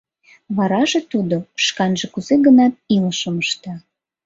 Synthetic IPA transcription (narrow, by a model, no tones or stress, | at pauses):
βɑɾɑʒet̪ud̪oʃkɑnʒekuzeɣənɑt̪̚ilʃəməʃt̪ɑ